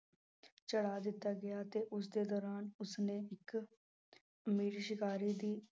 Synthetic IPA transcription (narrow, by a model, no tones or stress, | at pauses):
t͡ʃəɽaːd̪ɪt̪ːaːɡɪjaːt̪eːʔʊs̬d̪eːd̪ɔːɾaːnʊsnẽːɪk | miːɾʃɪkaːɾiːd̪iː